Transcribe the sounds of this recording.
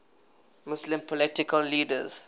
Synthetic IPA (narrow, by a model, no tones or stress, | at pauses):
mʊslɪ̃mpʰɔlɪtɪkəlːiːdəz̥